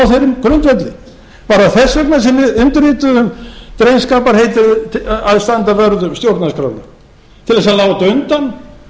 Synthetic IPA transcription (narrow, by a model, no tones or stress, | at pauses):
wθejɾɪmkʰɾʏnt̪vɛt̪lɪ | paːɾaθɛsːɛknas̬ɛmvɪðʏnt̪ʏɾiːt̪ʏðʏmt̪ɾejnskaːpaɾ̥hejt̪ʏɾaðst̪ant̪avœɾðʏmst̪jowɾt̪naskɾa̰wlɪ̰ | t̪ʰɪlɛsalaːwt̪aʏnt̪an